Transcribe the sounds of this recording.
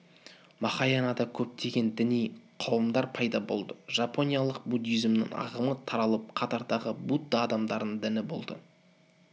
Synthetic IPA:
mɑχɑjɑnɑd̪ɑkʲʰɵp̚t̪e̞ɡʲe̞nd̪ɪnijqʰɑwəmd̪ɑɾpʰɑjd̪ɑbo̞̰lˠd̪əʒ̥ɑpo̞nʲijɑlˠəq̚bud̪ijzɪmnɪ̰ŋɑ̰ʁəmət̪ʰɑɾɑlˠəp̚qʰɑt̪ɑɾd̪ɑʁəbud̪ːɑːd̪ɑmd̪ɑɾd̪ənd̪ɪnɪbo̞̰lˠd̪ə̰

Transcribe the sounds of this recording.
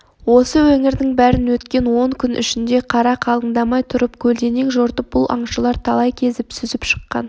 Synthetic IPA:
wo̞səwɵŋɪɾd̪ɪŋbæɾɪnwɵt̪kʲe̞nwo̞ŋkʲʰʏnʔʏ̰ʃɪnd̪e̞qʰɑɾɑqʰɑlˠəŋd̪ɑmɑjt̪ʰʊɾəpkʲʰɵld̪e̞neŋʒoɾt̪əp̚b̥ʊlˠʔɑ̰ɴʃəlˠɑɾt̪ʰɑlˠɑjkʲʰe̞zɪpsʏzɪpʃə̥qːɑ̰n

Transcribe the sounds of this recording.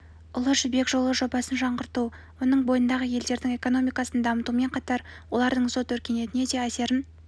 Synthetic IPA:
ʊlˠəʒʏbe̞kʒo̞lˠəʒo̞bɑsənʒɑɴʁəɾt̪u | wo̞nəɴbo̞jənd̪ɑʁəje̞ld̪e̞ɾd̪ɪŋe̞ko̞no̞mijkɑsənd̪ɑmət̪ume̞ɴqʰɑt̪ɑɾwo̞lˠɑɾd̪əɴso̞t̪wɵɾkʲe̞ne̞t̪ɪne̞d̪e̞æse̞ɾɪn

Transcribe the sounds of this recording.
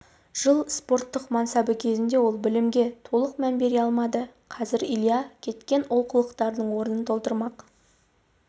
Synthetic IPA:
ʒ̥əlˠspo̞rt̪ːəqmɑnsɑbəkʲʰe̞zɪnd̪e̞wo̞lˠbɪlɪmɡʲe̞t̪ʰo̞lˠəqmænbe̞ɾeɑlˠmɑd̪əqʰɑzɪɾilˠjɑkʲʰe̞t̪kʲe̞nolˠqʰəlˠəqt̪ɑɾd̪əɴwo̞ɾənənt̪ʰo̞lˠt̪əɾmɑq

